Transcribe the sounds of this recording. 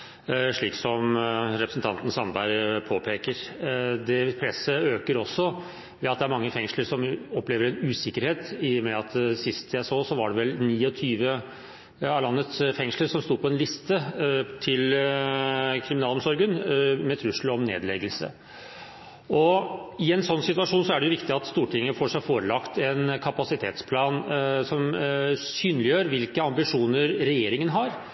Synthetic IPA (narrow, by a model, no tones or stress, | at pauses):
ʂɭiːksɔmɾɛpɾəsən̩t̪ɑnt̪n̩sɑnbɑɪɾpʰoːpʰeːkəɾd̪ɛpʰɾɛsːəøːkəɾɔsːɔ | ʋɛɑt̪̚d̪ɛæɾmɑŋːəfɛŋʂləɾʂɔmɔpːleːʋəɾɛnʉːsɪkːəɾheːt̪ɪmɛɑt̪sɪst̪ʰjæɪsoːsɔʋɑɖɛʋɛlniːɔt̪ʰyːʋə | ɑlɑnːət̪sfɛŋʂɭəɾʂɔmst̪uːɾpʰɔɛnlɪst̪ət̪ʰɪl | kʰɾɪmɪnɑːlɔmsɔɾɡənmɛt̪ʰɾʉʂl̩ɔmnḛːd̪lɛ̰ɡəlsə̰ | ɔɪɛnsɔnːsɪt̪ʉɑʂuːnsɔæɖɛjʊʋɪkt̪ɪɑt̪st̪uːʈʰɪŋːəfoːʂæɪfoːɾəlɑkt̪ɛnkʰɑpɑsɪt̪ʰḛːt̪spʰlɑːnsɔmsyːnəlɪjøːɾʋɪlkəɑmbɪʂuːnəɾɾɛjeːɾɪŋənɦɑɾ